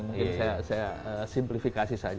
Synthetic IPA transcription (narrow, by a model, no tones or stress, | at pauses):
mukɪnsajasajaəsimplifikasisad͡ʒ